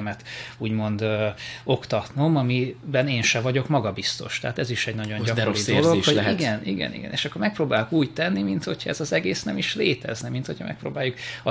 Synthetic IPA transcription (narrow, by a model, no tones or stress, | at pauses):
mɛt̪uːɟmo̞nd̪o̞kt̪ɒt̪nomɒmibɛneːnʃɛvɒɟo̞kmɒɡɒbist̪o̞̰ʃt̪ɛɦat̪ɛziʃɛɟnɒɟoɲɟɒkd̪ooiolooiɡɛnḭɡɛ̰nḭɡɛ̰nḛːʃɒkːo̞rmɛk̚proːbaːlukuːɟt̪ɛnːimint̪ho̞chɒɛ̰zɒzɛɡeːsnɛmiʃleːt̪ɛ̰znɛmint̪ho̞cʰɒ̰mɛ̰kpɾo̰ːbaːjːukɒ